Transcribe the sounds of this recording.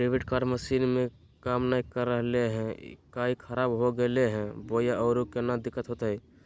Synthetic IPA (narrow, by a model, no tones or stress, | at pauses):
ɾeʋeʈkaːɾɖməʃiːnmẽ | kaːmnaːikəɾːəɦleɦɛ̰̃kaːikʰəɾaːbɦoɡəleɦɛ̃bojaʔɔːɾukenad̪ɪkːət̪ɦot̪aɦɛ